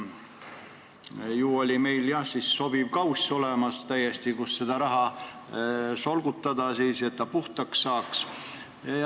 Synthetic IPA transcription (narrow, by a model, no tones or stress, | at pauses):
juːo̞lʲime̞jljɑhsisːo̞b̥ivkɑwsʲo̞lemɑst̪æjest̪ikusːe̞d̪̥ɑɾɑɦɑ | so̞lɡ̥ut̪ːˑɑd̪ɑsiːse̞t̪̚ːɑpuht̪ɑksːɑːks